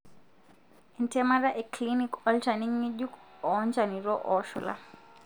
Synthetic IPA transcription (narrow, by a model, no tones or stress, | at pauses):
intɛmaɾaʔeklinikɔld͡ʒaniŋːiʄuk | ɔnd͡ʒaniɾɔʔɔʃɔ̰la̰